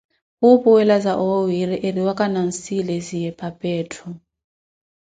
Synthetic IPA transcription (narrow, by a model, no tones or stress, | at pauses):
ɣupʼuwɛlazaʔɔwiɾɛʔeriwakʼanan̩silɛzijɛpʼapʼɛːtʰɔ